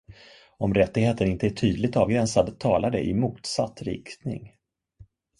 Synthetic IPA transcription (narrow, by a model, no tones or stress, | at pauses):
ɔmɾɛt̪ːɪɡheːt̪ənɪnt̪əæʈʰyːd̪lɪɡ̚t̪ɑːvɡɾɛnsad̪t̪ʰɑːlaɖɛ̰ʔɪmuːt̪sat̪ːɾɪ̰kt̪nɪ̰ŋ